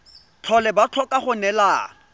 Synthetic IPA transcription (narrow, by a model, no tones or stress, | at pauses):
t͡ɬʰɔlɛbat͡ɬʰɔkʼaχʊnɛlaː